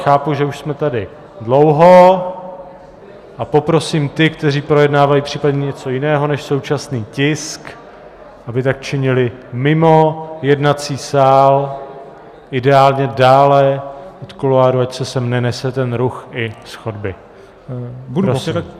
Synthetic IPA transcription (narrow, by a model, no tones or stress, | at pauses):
xaːpuʒɛuʃsmɛt̪adɪ | dlo̞wɦo | ʔapo̞pɾo̞siːmt̪ɪkt̪ɛriːpɾo̞jɛdnaːvajiːpr̥iːpadɲɛɲɛt͡so̞jɪnɛːɦo̞nɛʃso̞wt͡ʃasniːcɪsk | ʔabɪt̪ak̚t͡ʃɪɲɪlɪmɪmo̞jɛdnat͡siːsaːl | ʔɪdɛaːlɲɛdaːlɛot̪koloaːɾuacsɛsɛmnɛnɛsɛt̪ɛnɾuxɪsxo̞dbɪ | bpɾos